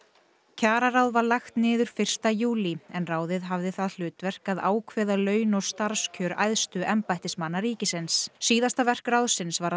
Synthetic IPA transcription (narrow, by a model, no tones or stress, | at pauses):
cʰaːɾaɾawðvaɾlajxt̪nɪːðʏɾ̥fɪr̥st̪ajuːliɛnraːwðɪðɦavðɪθaðl̥ʏːt̪vɛr̥kaðaːwkʰvɛːðalœːɥnɔ̥st̪aɾ̥scʰœːɾajðst̪ʏʔɛmpajht̪ɪsmanːaɾiːcɪsɪnssiːðast̪avɛr̥krawðsɪnsvaɾ